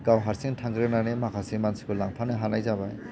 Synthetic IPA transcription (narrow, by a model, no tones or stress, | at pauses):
ɡawɦaɾsiŋtʰaŋɡɾɯnanemakʰasimansi̥kʰɯlaŋpʰanɯjɦanajzabaj